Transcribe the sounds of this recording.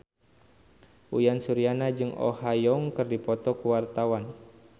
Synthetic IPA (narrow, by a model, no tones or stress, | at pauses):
ʔujansuɾianad͡ʒɨŋɔ̰hajɔŋkɨrdipɔt̪ɔkuwart̪awan